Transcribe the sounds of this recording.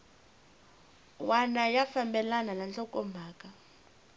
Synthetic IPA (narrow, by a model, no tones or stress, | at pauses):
wanajafambɛlananant͡ɬʼɔkʼɔmbʱaːkʼa